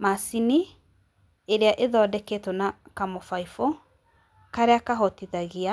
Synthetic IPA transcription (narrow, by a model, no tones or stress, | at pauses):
masini | eɾeaʔeðɔːdɛketɔnakamofaifo | kaɾeakaɦɔtiðaɣia